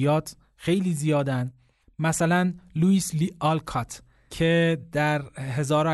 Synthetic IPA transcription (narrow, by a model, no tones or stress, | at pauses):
jɒːt̪ʰ | xe̞jliːzijɒːd̪ænd̪ | mæsælænluiːsliɒlkʰɒt̪ʰ | cʰed̪̥æɾɦe̞zɒːɾɒ